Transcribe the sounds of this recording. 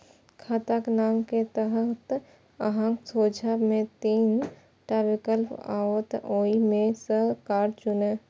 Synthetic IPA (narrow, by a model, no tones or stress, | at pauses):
kʰat̪aknaːmket̪əɦət̪ | əɦãŋksoːd͡ʒamẽt̪iːn | ʈabɪkəlpa̰ːwət̪oːimẽsəkaːɾt͡ʃʊnə